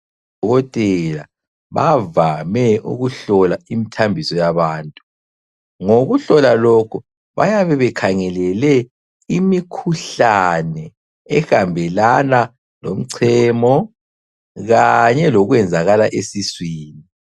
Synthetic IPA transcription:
ɔɣɔtʼɛla̰ | βavamɛṵɣuɬɔlaimitʰambʱisɔjaβaːntʼu | ŋoɣuɬɔlalɔkʰu | βa̰jaβɛβɛkʰaŋɛlɛlɛ | imikʰuɬanɛ | ɛxambʱɛlana | lom̩ǀʰɛːmɔ | ɣaɲɛlɔɣwɛnd͡zʱaɣalaʔesiswiːni

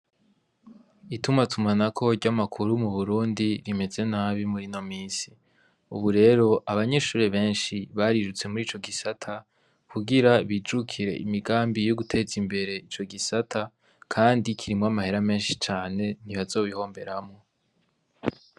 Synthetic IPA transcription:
itumatʰumanakʰo̞ɾɟamakʰuɾumuβuɾuːndiɾime̞ze̞naːβimuɾino̞miːsi̥ | ṵβuɾe̞ɾo̞ʔaβaɲe̞ʃuːɾeβe̞ːnʃiβaɾiɾut͡se̞muɾiːt͡ʃo̞ɡisatʰa | kuɡiɾaβid͡ʒukʰiɾe̞̰ʔimiɡaːmbijoɡutʰe̞zimbe̞ɾe̞it͡ʃo̞ɡisatʰa | kʰaːndikʰiɾimŋwamahe̞ɾame̞ːnʃi̥t͡ʃaːne̞niβazo̞ːβiho̞ːmbe̞ɾamŋo

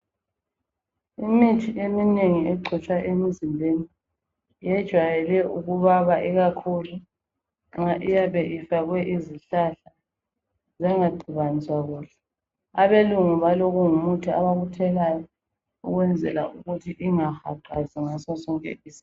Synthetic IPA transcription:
imitʰiemineŋiɛǀʱɛt͡ʃʼwaʔemizimbʱeni | jɛd̥ʒ̥ʱwajɛlɛʔuɣuβaβaʔiɣakʰulu | ŋ͡ǁaʔijaβɛʔifaɣwɛʔiziɬaɬa | zɛŋaɡ͡ǀʱiβaniswaɣuːɬɛ̥ | aβeluŋuβaloɣuŋumutʰiaβaɣutʰɛlajɔ | ṵɣwɛnd͡zʱɛ̰la̰uɣutʰiʔiŋaxa̰ǃʱaziŋasɔsɔŋkʼɛ̰ʔiːzi̥

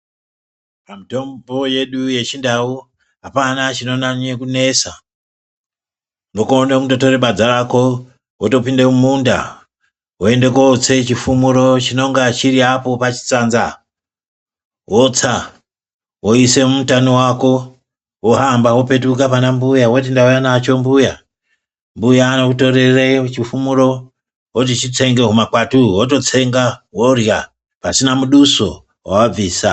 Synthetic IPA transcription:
pamito̞mbo̞je̞ɗuje̞t͡ʃindawu | apanat͡ʃino̞nanekune̞sa | nokonekutoto̞ɾeɓad͡zaɾako̞ | woto̞pindemumunda̰ | woe̞nde̞kot͡se̞t͡ʃifumuɾo̞t͡ʃino̞ŋɡat͡ʃiɾiapo̞pat͡ʃi̥t͡saːnza | wot͡sa | wo̞ise̞mumutanowako̞ | woɦambawo̞pe̞t̬ukapanambujawot̬indaujanat͡ʃo̞mbuja | mbujaːnokuto̞ɾeret͡ʃifumuɾo̞ | wot̬it͡ʃit͡seŋɡeɦumakwatuwot̬o̞t͡se̞ŋɡaworja | pasinamuɗuso̞̰ | wa̰wab͡viːsa

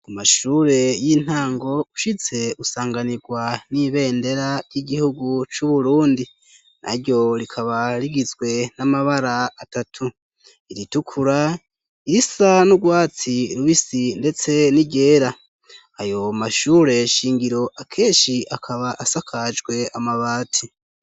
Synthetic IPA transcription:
kumaʃuːɾe̞jin̥haːŋɡo̞u̥ʃize̞usaːŋɡaniɡwaniβe̞ːnde̞ɾaɾjiɟihuɡut͡ʃuβuɾuːndi | na̰ɾjo̞ɾikʰaβaɾiɡizɡwe̞namaβaɾaatatʰu | iɾitukʰuɾa | iɾisanuɡwaːt͡siɾuβisinde̞t͡se̞niɟe̞ːɾa | ajo̞maʃuːɾe̞ʃiːŋɡiɾo̞ʔakʰe̞ːnʃiʔakʰaβaʔasakʰad͡ʒɡwe̞amaβaːtʰi

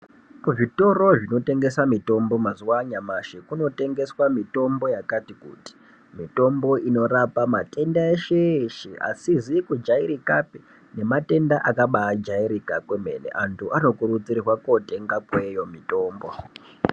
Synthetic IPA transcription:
kuʐito̞ɾo̞ʐino̞te̞ŋɡe̞samito̞mbo̞mazuwaɲamaʃikuno̞te̞ŋɡe̞swamito̞mbo̞jakatikṵti̥ | mito̞mbo̞ino̞rapamate̞ndaeʃeʃiʔa̰sizikud͡ʒaiɾikapi | ne̞mate̞ndaʔakaɓaːd͡ʒaiɾikakweme̞̰nḛʔantʰuʔano̞kurut͡sirrwakote̞ŋɡakwe̞jo̞mito̞ːmbo̞

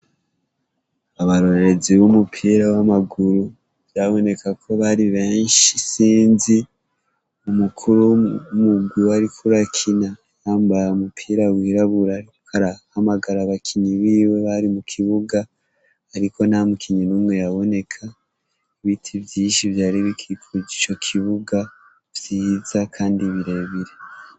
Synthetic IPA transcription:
aβaɾo̞ɾe̞ziβumupʰiːɾawamaɡuɾu | βjaβo̞ne̞kakʰo̞βaɾiβe̞ːnʃisiːnzi | umukʰuɾuumuɡɡwiwaɾikʰuɾakʰina | jaːmbajaumupʰiːɾawiːɾaβuɾaɾi | aɾahamaɡaɾaβakʰiɲiβiːwe̞βaɾimukʰiβuɡaː | ɾiko̞namukiɲinuːmŋe̞jaβo̞ne̞kʰa | iβitʰivjiːʃivjaːɾiβikʰikʰuɟit͡ʃo̞kʰiβuɡa | vjiːz̥akʰaːndiβiɾeβiɾe

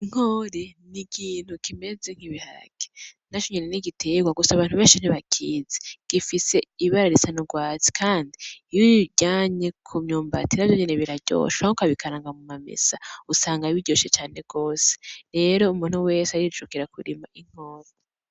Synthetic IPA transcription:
iŋ̥oːɾenikʰiːn̥hukime̞ze̞ŋ̥hiβiha̰ɡ̥e̥nat͡ʃoɲeneniɡitʰeɡwaɡusaβaːnhuβeːnʃin̥iβakʰiːzeɡ̥ifise̞iβaɾaɾisanuɡwaːt͡si̥kʰaːndiːβiɟaːɲe̞kʰumɲoːmba̰tinavjoɲeneβiɾaɟo̰ːʃahokaβikʰaɾaːŋɡamumamḛsausaːŋɡaiβiɟo̞ːʃet͡ʃaːne̞ɡo̞ːse̥ɾe̞ɾo̞umuːn̥huwe̞ːseaɾit͡ʃukiɾakuɾimaʔiŋ̥oːɾe

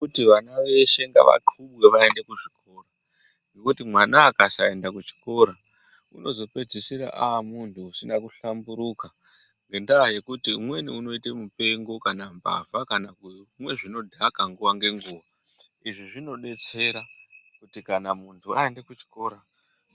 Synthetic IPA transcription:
utiʋanaʋe̞ʃe̞ŋɡa̰ʋa̰ǃʰuɓweʋae̞nde̞kuʐiko̞ra | ŋɡekutimwanaːkasae̞ndakut͡ʃi̥ko̞ɾa | ṵno̞zo̞pe̞d͡zisiɾa̰ʔamuntʰuːsinakuɬambuɾuka | ŋɡe̞ndaːje̞kutimwe̞niuno̞ite̞mupe̞ŋɡo̞kanamba̰vakanakumwe̞ʐino̞dʱakaŋɡuʋaŋɡe̞ŋɡuːʋa | iʐiʐino̞ɗe̞t͡se̞ɾakutikanamuntʰuae̞nde̞kut͡ʃi̥ko̞ːɾa

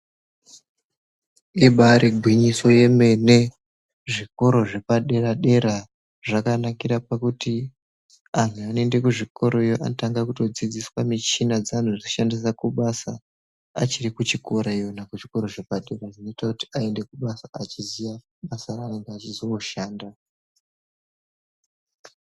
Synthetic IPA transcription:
iɓaɾiɡʱwiɲiso̞je̞me̞ne̞ | ʐiko̞ɾo̞ʐe̞paɗe̞ɾaɗe̞ɾa | ʐakanakiɾapakuti | an̤uanende̞kuʐiko̞ɾo̞ijoʔanotaŋɡakuto̞d͡zid͡ziswamit͡ʃinad͡zan̤ud͡ziʃandis̬akuɓasa | a̰t͡ʃirikut͡ʃiko̞ɾaijonakuʐiko̞ɾo̞ʐe̞paɗe̞ɾaʐino̞itakuti̥ae̞nde̞kuɓasaːt͡ʃizija | ɓasaɾaeŋɡeat͡ʃizooʃaːnda

